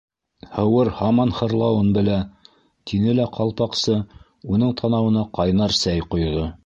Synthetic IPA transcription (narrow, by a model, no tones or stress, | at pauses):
hɤ̆wɤɾhɑmɑnhɤ̆ɾlˠɑwɤnbɘ̆læ | t̪ʰinɘlæqʰɑlˠpɑqsɤ | unɤɴt̪ʰɑnɑwɤ̆nɑqɑjnɑɾsæjqŏjðo